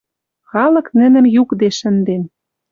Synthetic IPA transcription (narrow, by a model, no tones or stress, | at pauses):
xɑlɤ̆knɘ̆nɘ̆mjukd̪eʃɘ̆nd̪en